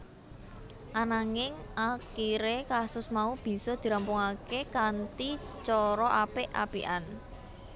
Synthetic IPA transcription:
ʔanaŋɪŋakiɾekasʊsmaub̥i̤sɔd̪̥i̤ɾampʊŋakekant̪i | t͡ʃɔɾɔʔapɪʔa̰pḭʔan

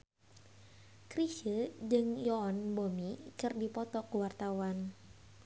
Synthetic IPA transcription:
kɾiʃəd͡ʒɨŋjɔːnbomikɨrdipɔt̪ɔkuwart̪awan

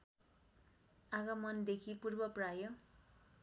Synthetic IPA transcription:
aɡʌmʌnd̪ekʰipurbʌprajo

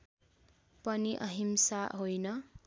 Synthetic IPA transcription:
pʌniʔʌ̰ɦimsaɦojnʌ

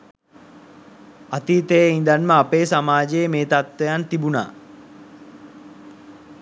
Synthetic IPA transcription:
at̪iːt̪ejind̪anməapeːsamaːd͡ʒejemeːt̪at̪wejant̪ibuna̰ː

